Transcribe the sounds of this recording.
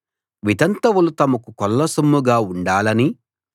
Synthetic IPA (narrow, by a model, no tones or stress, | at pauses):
ʋid̪ɐnt̪ɐwulut̪ɐmɐkukɔlːɐsɐmːuɡaːuɳɖaːlɐni